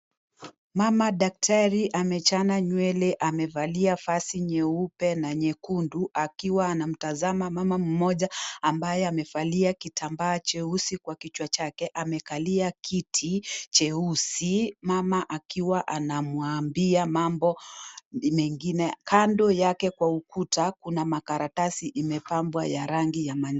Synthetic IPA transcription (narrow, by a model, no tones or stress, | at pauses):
mamaɗak̚tʰaɾiʔamɛt͡ʃanaɲwɛlɛʔamɛvaliafasiɲɛupɛnaɲɛkunduʔakiwaːnam̩tazamamamam̩mɔʄaambajɛamɛfaliakitʰambaːt͡ʃɛusikwakit͡ʃwat͡ʃakɛʔamɛkaliakʰitʰit͡ʃɛusimamaʔakiwaʔanamwambiamambɔ | mɛŋɡinɛkʰandɔjakɛkwaukutakunamakaɾatasiʔimɛpambwajaɾaŋɡijama